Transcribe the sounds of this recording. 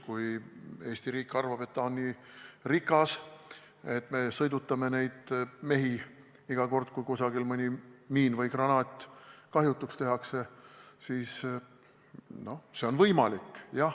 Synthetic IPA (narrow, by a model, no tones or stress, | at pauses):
kuje̞ːsʲt̪iɾiːkːˑɑrvɑb̥e̞t̪ːɑonːiːrikːˑɑs | e̞t̪ːˑme̞sɤjd̪ut̪ːˑɑme̞ne̞jd̪̥me̞ɦi | iɡ̥ɑko̞rd̪̥kujkusɑɡ̥ilmɨnʲimiːnvɤjkrɑnɑːt̪ˑːkɑɦjut̪ːˑukst̪e̞ɦɑkse̞siːs | no̞hse̞o̞nvɤjmɑlikːˑjɑ